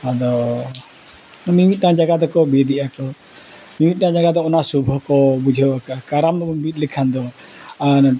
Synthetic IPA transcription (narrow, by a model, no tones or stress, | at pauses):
ad̪ɔ | mimit̪̚nãd͡ʒaɡad̪ɔkɔbed̪iʔakɔ | mimit̪̚nãd͡ʒaɡad̪ɔɔnasubʱɔkɔbud͡ʒʱɔakakaɾambit̪̚likʰand̪ɔ | an